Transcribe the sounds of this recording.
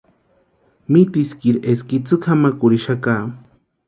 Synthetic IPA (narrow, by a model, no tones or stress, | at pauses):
mit̪iskiɾeskit͡sɨkʰamakʊɾiʃaka